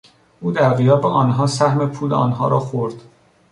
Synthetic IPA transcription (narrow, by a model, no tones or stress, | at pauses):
ʔuːd̪æɣijɒːbeʔɒːnɦɒːsæhmepʰuːlɒ̰ːnɦɒːɾɒːxoɾd̪̥